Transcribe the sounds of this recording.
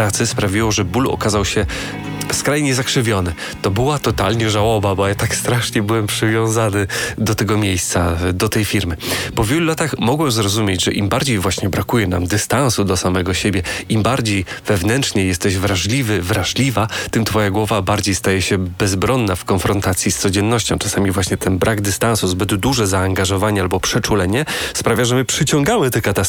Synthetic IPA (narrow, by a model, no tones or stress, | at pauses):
at̪sɘspɾavʲiwɔʐɛbulɔ̰kazawɕɛ | skɾajɲɛzakʂɘvʲjɔnɘ | t̪ɔbɘwat̪ɔt̪alɲɛʐawɔbabɔjat̪akst̪ɾaʂɲɛbɘwɛmpʂɘvʲjɔ̃w̃zanɘd̪ɔt̪ɛɡɔmʲjejst̪sad̪ɔt̪ɛjfʲiɾmɘpɔvʲjeɛlulat̪axmɔɡwɛzɾɔzumʲjed͡ʑʐɛʔimbaɾd͡ʑejvwaɕɲɛbɾakujɛna̰md̪ɘst̪ansud̪ɔsamɛɡɔɕebʲjɛimbaɾd͡ʑejv̥ɛvnɛntt͡ʂɲejːɛst̪ɛʑvɾaʐlʲivɘvɾaʐlʲivat̪ɘmt̪fɔjaɡwɔvabaɾd͡ʑejst̪ajɛɕɛbɛzbɾɔnːafkɔnfɾɔnt̪at̪sʲjist̪sɔd͡ʑɛnːɔɕt͡ɕɔ̃w̃t͡ʂḁsamʲivwaɕɲɛt̪ʰɛnbɾʔaɡd̪ɘst̪ansuzbɘd̪ːuʐɛzaːŋɡaʐɔvaɲɛalbɔpʂɛt͡ʂulɛɲɛspɾavʲjaʐɛmɘpʂɘt͡ɕɔŋɡamɘt̪ɛkat̪as